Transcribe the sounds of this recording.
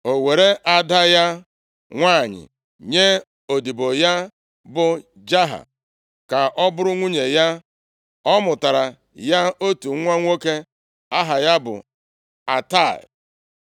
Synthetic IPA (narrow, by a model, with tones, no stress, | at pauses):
o˨we˨ɾe˦ʔa˦da˦ja˦ | ŋʷaː˦˨ɲɪ̰˨ | ɲe˦ | o˨di˨bo˨ja˦ | bʊ˨ | d͡ʒa˦ɦa̰˨ | ka˨ʔɔ˦bʊ˦ɾʊ˦ŋʷu˦ɲe˨ja˦ | ɔ˦mʊ˨ta˨ɾa˨ | ja˦o˦tu˨˦ŋʷa˦ŋʷo˦ke˦ | a˦ɦa˨ja˦bʊ̰˨ | a̰˨ta˦˨l